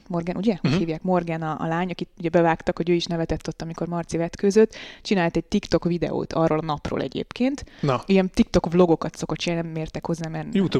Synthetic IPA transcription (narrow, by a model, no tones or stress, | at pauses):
mo̞rɡɛnʔuɟɛohiːvjaːkmo̞rɡɛnɒ̰ːlaːɲɒkit̪uɟɛbɛvaːkt̪ɒkho̞ɟøːiʃnɛvɛt̪ɛt̪ːo̞t̪ːɒmiko̞rmɒrt̪sivɛt̪køzøt̪ːt͡ʃinaːlt̪ɛɟ̚t̪ikt̪o̞kvid̪ɛ̰o̰ːt̪ʰɒrːoːlɒnɒpro̰ːlɛ̰ɟḛːpkeːnt̪nijɛnt̪ikt̪o̞kblo̞ɡo̞kɒt̪so̞kot̪t͡ʃinaːnnɛmːeːrt̪ɛkho̞zːaːmɛrjut̪u